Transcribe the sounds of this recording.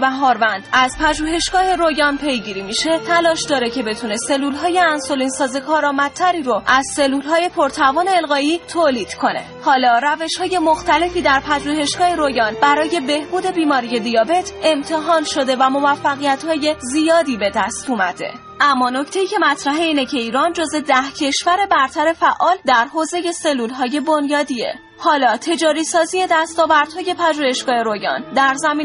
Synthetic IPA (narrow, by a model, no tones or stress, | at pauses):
bæɦɒːɾvænd̪̥ʔæzpʰæʒuːɦe̞ʃɡ̥ɒːhe̞ɾojɒːnpʰe̞jɟiɾiːmiːʃe̞t̪ʰælɒːʃd̪ɒːɾecʰe̞be̞t̪ʰune̞se̞lːuːlɦɒːje̞ænso̞liːnsɒːzekʰɒːɾɒːmæt̪t̪ʰːæɾiːɾoʔæz̥se̞lːuːlɦɒːje̞pʰo̞ɾt̪ʰævɒːne̞ːlɣɒːjiːt̪ʰoːliːd̪̥kʰo̞ne̞̰ | hɒːlɒːɾæve̞ʃhɒːje̞mo̞xt̪æle̞fiːd̪æɾpʰæʒuːhe̞ʃɡɒːhe̞ɾo̞jɒːnb̥æɾɒːje̞be̞hbuːd̪e̞biːmɒːɾije̞d̪ijɒːbe̞t̪ʰe̞mt̪ʰe̞ɦɒːnʃo̞d̪e̞væmo̞væfːæɣijæt̪hɒːje̞zijɒːd̪iːbe̞d̪æst̪umæd̪e̞̰ | æmːɒːno̞ct̪ʰe̞iːcʰe̞mæt̪ʰɾæɦeiːnecʰe̞iːɾɒːnd͡ʒoze̞d̪æhcʰe̞ʃvæɾe̞bæɾt̪ʰæɾe̞fæʔɒːld̪æɾɦoːze̞je̞se̞lːuːlɦɒːje̞bo̞njɒːd̪ie̞̰ | hɒːlɒːt̪ʰe̞d͡ʒɒːɾiːsɒːziːje̞d̪æst̪ɒːvæɾd̪̥hɒːje̞pʰæʒuːhe̞ʃɡ̥ɒːhe̞ɾojɒ̰ːnd̪æɾzæmiːn